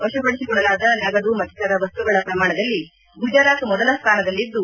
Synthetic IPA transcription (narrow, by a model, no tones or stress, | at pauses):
ɔʃɐbɐɭisiɡuɭɐlaːd̪ɐnɐɡɐd̪umɐt̪ːit̪ɐɾɐʋɐst̪uɡɐɭɐpɾɐmaːɳɐd̪ɐlːi | bʱud͡ʒaːɾaːk̪mɔd̪ɐlɐst̪ʰaːnɐd̪ɐlːid̪ːu